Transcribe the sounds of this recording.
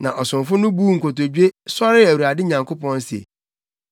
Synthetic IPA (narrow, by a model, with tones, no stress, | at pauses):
nã˨ʔɔ˨sʊ̃˨ɱfʊ˦nʊ̃˦buː˦ŋ̩˨kʰo˨t̬o˨d͡ʑᶣe˦sɔ˦ɾɪ˦æ˨wu˨ɾa˨dɪ˦ɲã˨ŋkʰʊ˦pɔ̃˦n˦sḛ˨